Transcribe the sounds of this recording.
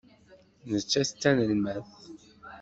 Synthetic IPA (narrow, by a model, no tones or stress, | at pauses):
nət͡ʃːæst͡s̪ːænəlmæθ